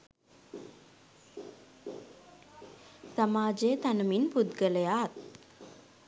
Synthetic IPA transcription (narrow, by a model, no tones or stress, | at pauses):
samaːd͡ʒejət̪anəminpud̪ɡələjaːt̪̚